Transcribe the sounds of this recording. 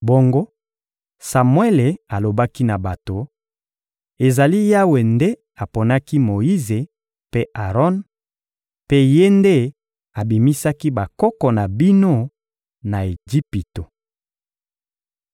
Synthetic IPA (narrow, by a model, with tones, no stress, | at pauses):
bo˦ŋɡo˦ | sa˨mwe˦le˨a˨lo˨ba˦ki˦na˨ba˨to˨ | e˨za˨li˦ja˦we˨nde˦ | a˨po˨na˦ki˦mo˨i˦ze˨ | pe˦ʔa˨ʁɔ˦n | pe˦je˦nde˦ | a˨bi˨mi˦sa˦ki˦ba˨kɔ˦kɔ˨na˨bi˦no˦ | na˨e˨d͡ʒi˦pi˨to˨